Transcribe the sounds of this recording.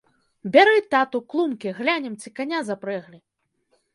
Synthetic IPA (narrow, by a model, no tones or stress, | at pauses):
bʲaɾɨt̪at̪uklˠumkʲiɣlʲanʲɛmt͡sʲikanʲazapɾɛɣlʲi